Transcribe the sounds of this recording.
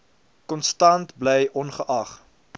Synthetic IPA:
kɔnstɐntblɛjʔɔnχəʔɐχ

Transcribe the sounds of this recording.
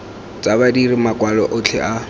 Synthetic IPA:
t͡sʼabadirimakwalɔʔʊt͡ɬʰɛ̰ʔa

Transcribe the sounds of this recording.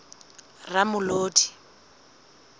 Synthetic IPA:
ramʊloːtʰʼi̥

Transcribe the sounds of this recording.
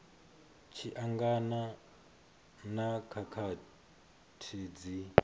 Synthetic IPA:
t͡ʃʰiʔaŋɡana | nakʰakʰa | tʰid͡zi

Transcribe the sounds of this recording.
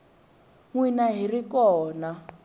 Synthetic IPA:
ŋwinaɦirikɔːna

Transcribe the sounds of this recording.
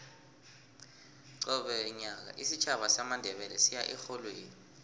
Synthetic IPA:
ǀɔɓɛɲak̬a̰ʔisit͡ʃʰaɓasamandʱɛɓɛlɛsijaʔɛxolweːni

